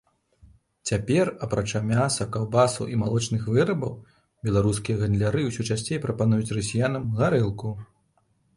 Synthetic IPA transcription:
t͡sʲapʲɛrɐpɾat͡ʂamʲasɐkawbasɐ̰ʔimalˠɔt͡ʂnɨxvɨɾɐbɐw | bʲɛlˠaɾuskʲijɐɣɐnd̪lʲaɾɨwsʲut͡ʂasʲt͡sʲejpɾɐpanujut͡sʲrɐsʲijanɐmɣaɾɨlˠku

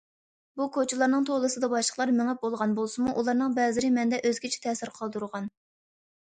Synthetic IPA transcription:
bukʰot͡ʃʰilˠɑɾnɨŋt̪ʰolˠɨsɨd̪ɑbɑʃlˠəχlˠɑɾmɪŋɛp̚bolˠʁɑnbolˠsɨmuʔulˠɑɾnɨŋbɛzɪɾɪmɛnd̪ɛʔøzɡʲit͡ʃʰɛ̥t̪ʰɛːsɪɾqʰɑlˠd̪uɾʁɑn

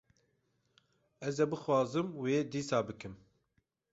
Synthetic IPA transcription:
ɛzɛbɨxwɑːzɨmweːd̪iːsɑːbɨkɨm

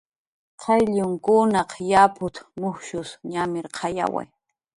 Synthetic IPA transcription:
qʰɑjʎʊŋkʊnɑqjapʊt̪mʊxʃʊsɲamɪɾqʰɑja̰wa̰j

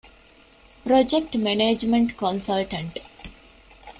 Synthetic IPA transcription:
pɾɔd͡ʒek̚ʈmeneːd͡ʒmẽɳʈkɔ̃nsalʈə̃ɳʈ

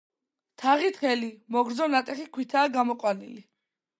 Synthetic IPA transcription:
t̪ʰaʁit̪χɛlimɔɡɾd̪zɔnat̪ʼɛχikʰwit̪ʰaːɡamɔqʼwanḭli

